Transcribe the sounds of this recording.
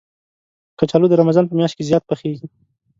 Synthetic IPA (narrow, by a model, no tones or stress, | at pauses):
kat͡ʃalod̪əɾamazɑnpəmjɑʃt̪̚kezjɑt̪̚pəxeɡi